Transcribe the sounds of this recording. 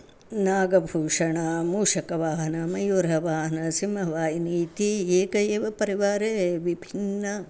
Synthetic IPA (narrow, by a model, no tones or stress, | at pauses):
naːɡɐbʱuːʂɐɳɐmuːʂɐkɐʋaːɦɐnɐmɐjuɾɦɐʋaːɦɐnɐsimɐʋaːjiniːt̪ieːkɐjeːʋɐpɐɾiʋaːɾeːʋibʱinnːɐ